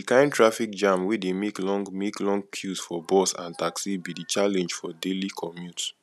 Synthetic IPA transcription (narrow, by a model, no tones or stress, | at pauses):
ikãɪ̃ntʰɹafik̚d͡ʒãmwidemeklɔ̃ŋɡmeklɔ̃ŋɡkʰjusfɔbɔsã̰ntaksibidit͡ʃalɛ̃nd͡ʒfɔdelikʰɔmjut